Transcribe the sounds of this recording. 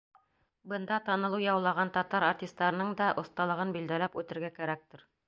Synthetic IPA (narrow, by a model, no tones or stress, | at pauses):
bɤ̆nd̪ɑt̪ɑnɤ̆lˠɤjɑwlˠɑʁɑnt̪ɑt̪ɑɾartʲist̪ːɑɾɤ̆nɤɴd̪ɑʔŏθt̪ɑlˠɤ̆ʁɤnbild̪ælæpʉt̪ɘ̆ɾɡækæɾæk̚t̪ɘ̆ɾ